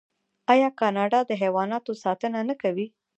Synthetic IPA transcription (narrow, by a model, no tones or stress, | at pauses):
ɑjɑkɑnɑɖɑd̪əɦewɑnɑt̪osɑt̪ənanəkawi